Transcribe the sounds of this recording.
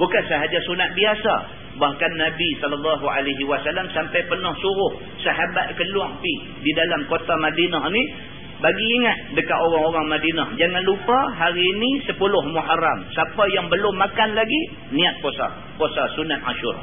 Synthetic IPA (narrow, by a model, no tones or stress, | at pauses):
bukansəɦad͡ʒasunat̪̚biasa̰ | bahkanːabisɔləlːɑɦua̰laɦiwasalamsampajpərnɔhsuɾʊh | saɦabat̪̚kəlwaŋpi | didalamkot̪amadinaɦni | baɡiːŋat̪̚dəkaʔ̪oɾaŋoɾaŋmadinahd͡ʒaŋanlupaɦaɾiːnisəpulʊhmuɦaɾamsapajaŋbəlʊmːakanlaɡi | niat̪̚posa̰ | posasunat̪̚ʔa̰ʃuɾ̰